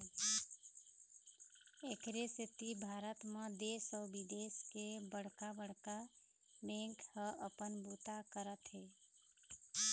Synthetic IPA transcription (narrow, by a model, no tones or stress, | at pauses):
ekɾeset̪ibʱaɾət̪mə̃d̪esɔʊbid̪eskebəɽ̤kabəɽ̤ka | bẽŋkhəʔəpənbut̪akəɾət̪ɦe